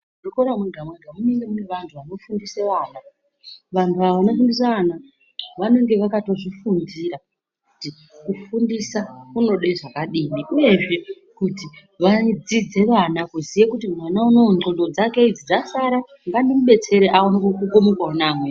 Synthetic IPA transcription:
rokoɾamweɡʱamweɡʱamuniŋɡemuneʋantʰuʋano̞fundiseʋaːna | ʋantʰuaʋano̞fundis̬aʋana | ʋano̞ŋɡe̞ʋakato̞ʐifundiɾa | kkkuti | kufundisakuno̞ɗeʐakaɗiːmiʔuje̞ʐe̞ | kuti | ʋad͡zid͡ze̞ʋanakuzijekutimwanauno̞d͡ɮolo̞d͡zake̞id͡zid͡zasaɾa | ŋɡandimuɓe̞t͡se̞ɾeʔaonokkuɡomokwaunaːmwe

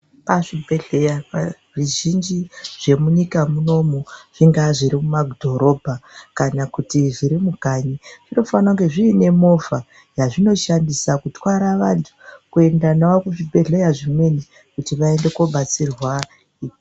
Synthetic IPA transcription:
paʐibʱe̞ɮe̞jaʐiʒind͡ʒiʐe̞muɲikamuno̞moʐ̥iŋɡaʐiɾimumaɡdʱo̞ɾo̞bʱakanakutiʐiɾimuɡʱaɲiʐ̥ino̞fanauŋɡe̞ʐiːne̞mo̞va | jaʐino̞ʃandisakutwaɾaʋantʰu̥kue̞ndanawakuʐibʱe̞ɮe̞jaʐimwe̞ni | kutiʋae̞nde̞koɓat͡sirwa | iː

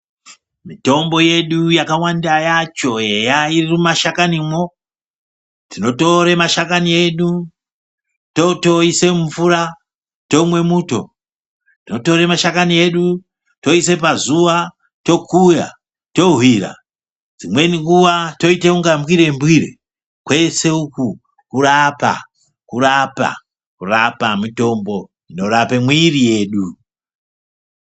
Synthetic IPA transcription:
mito̞mbo̞je̞ɗujakawandajat͡ʃo̞ejairirimumaʃakanimo | tino̞to̞ɾemaʃakanie̞ɗu | to̞to̞ise̞mufuɾa | to̞mwe̞muːto̞̰ | tino̞to̞ɾemaʃakanie̞ɗu | to̞ise̞p̬azuʋa | to̞kuja̰ | to̞ɦwira̰ | d͡zimwe̞niŋɡuʋato̞itekuŋɡambwiɾe̞mbwirḛ | kwe̞se̞uku | kurapa̰ | kurapa̰ | kurapamito̞mbo̞ | ino̞ɾapemwirije̞ːɗu

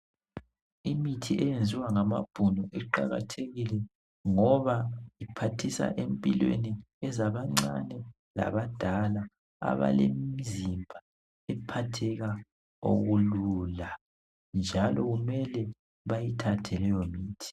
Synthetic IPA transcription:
imitʰiʔɛjend͡zʱiwaŋama̰b̥ʱunɔʔɛǃaɣa̰tʰeɣilɛ | ŋɔβajipʰatʰisa̰ʔempʼilwḛni | ɛzaβaŋ͡ǀa̰nɛ | la̰βad̥ʱala | a̰βa̰lemizimbʱa | ɛpʰatʰɛɣa | o̰ɣuluːla | nd͡ʒʱalɔɣumɛlɛ | βajitʰatʰɛlɛjomiːtʰi̥

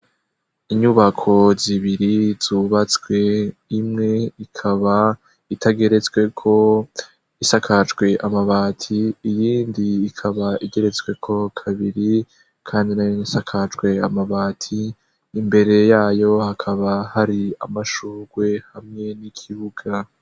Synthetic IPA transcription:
iɲuβakʰo̞ziβiɾiz̥uβat͡swe̞imŋe̞ikʰaβa | itʰaɡe̞ɾe̞t͡sɡwe̞kʰo̞ | isakʰat͡ʃɡwe̞ʔamaβaːtʰiːjiːndiːkʰaβaʔiɡe̞ɾe̞t͡sɡwe̞kʰo̞kʰaβiɾi | kʰaːndinajonisakʰat͡ʃɡwe̞amaβaːtʰiː | mbe̞ɾe̞jaːjo̞hakʰaβahaɾia̰maʃuːɡwe̞hamŋe̞nikʰiβuɡa

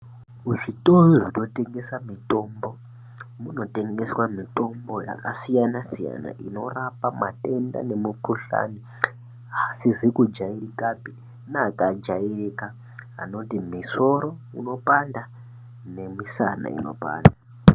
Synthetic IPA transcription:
uʐitoroʐino̞te̞ŋɡe̞samito̞mbo̞ | muno̞te̞ŋɡe̞swamito̞mbo̞ja̰kasijanasija̰na̰ʔino̞rapamate̞nda̰ne̞mukuɬa̰ni | asizikud͡ʒairikapi | naːkad͡ʒairika | a̰no̞timiso̞ɾo̞ | ḭno̞panda | ne̞misa̰na̰ḭno̞̰pa̰ːnda

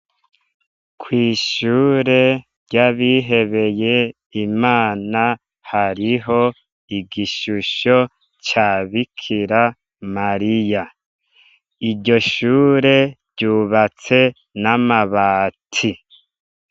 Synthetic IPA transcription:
kʰwiːʃuːɾe̞ | ɟaβiːɦe̞βe̞je̞ | imaːna | haɾiɦo̞ | iɡiʃuʃo̞ | t͡ʃaːβikʰiɾa | maɾija | iɟo̞ʃuːɾe̞bɟuːβat͡se̞ | namaβaːtʰi

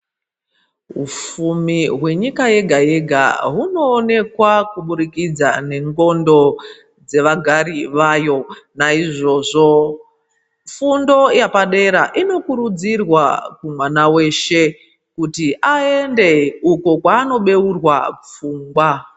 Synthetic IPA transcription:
ɦṵfumiɦwe̞ɲikaje̞ɡʱaje̞ɡʱa̰ɦuno̞ːne̞kwakuɓuɾikid͡za̰ne̞ŋɡo̞ndo̞ | d͡ze̞ʋaɡʱaɾiʋajo̞naiʐo̞ːʐo̞ | fundo̞japaɗe̞ɾaʔino̞kuɾud͡zirwakumwanawe̞ːʃe̞ | kutiʔae̞nde̞uko̞kwaːno̞ɓe̞urwap͡fuːŋɡwa

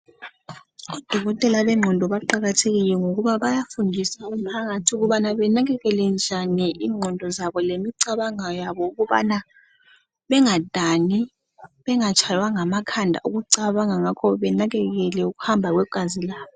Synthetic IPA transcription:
ud̥ʱɔɣɔtʼɛlaβɛŋ͡ǁʱɔndʱɔβaǃaɣatʰeɣilɛŋoɣuβaβajafundʱisaumpʰaɣatʰuɣuβanaβɛnaɣɛɣɛlɛnd͡ʒʱaniʔiːŋ͡ǁʱɔndʱɔzaβɔlemiǀaβaŋajaβɔuɣuβa̰na | βɛŋad̥ʱani | βɛŋat͡ʃʰʼajwaŋamakʰandʱa̰ʔuɣuǀaβaŋaŋakʰɔβɛnaɣɛɣɛlɛuɣuhambʱaɣwɛɡ̥ʱazilaːβɔ

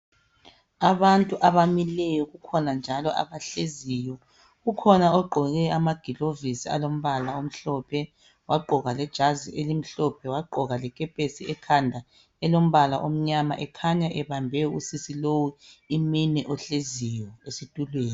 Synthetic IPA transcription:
aβantʼuʔaβamilɛjɔɣukʰɔnand͡ʒʱalɔʔa̰βaɬezijɔ | ɣukʰɔnaɔɡ͡ǃʱɔɣɛamaɡ̥ʱilovisia̰lom̩βalaom̩ɬɔpʰɛ | waɡ͡ǃʱɔɣalɛd̥ʒ̥ʱaziʔelim̩ɬɔpʰɛwaɡ͡ǃʱɔɣalɛkʼɛpʼesiɛkʰandʱa | ɛlom̩βalaʔom̩ɲama̰ʔɛkʰaɲaʔɛβambʱɛusisilowuiminɛʔɔɬezijɔesitʼulweːni

